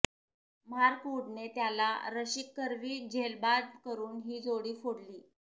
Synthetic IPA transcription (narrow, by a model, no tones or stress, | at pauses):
m̤aɾkuɽnet̪jala̰ɾəɕikːəɾʋiːd͡ʑʱelbad̪̚kəɾuːnɦiːd͡zoɽiːfoɽliː